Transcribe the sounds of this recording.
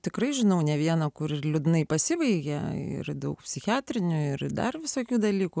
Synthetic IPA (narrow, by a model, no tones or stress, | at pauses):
t̪ʲɪkrɐɪʒʲɪnɐʊnʲɛʋʲiɛnɐkʊɾɪlʲʊd̪nɐɪpɐsʲɪʋɐɪɡʲɛɪ̰rd̪ɐʊk̚pʲsʲɪxʲɪæːt̪ʲɾʲɪnʲʊɪrd̪ɐ̰rʋʲɪsoːkʲuːd̪ɐlʲiːku